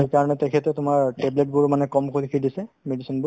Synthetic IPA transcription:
ekaɹɔnɛtɛkʰɛtɛtʊmaɹteblet̚bʊɹmanɛkɔmkʰolikʰidisɛ | medisɔnbʊ

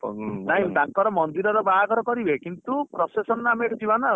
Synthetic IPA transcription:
naɦĩd̪akɔɾɔmɔnd̪iɾɔɾɔbaakɔɾɔkɔɾibʱekint̪upɾɔsesɔnameːʈʰɔt̪ʰibana

